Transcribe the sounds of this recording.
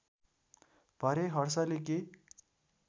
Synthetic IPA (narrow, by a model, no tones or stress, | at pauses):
b̥ʱʌɾeɦʌɾsʌleke